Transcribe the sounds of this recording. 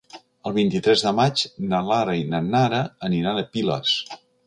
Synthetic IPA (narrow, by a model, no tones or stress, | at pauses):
əlˠβ̞int̪it̪ɾɛzðəmad͡ʒnəlaɾəinənaɾəəniɾanəpilə̰s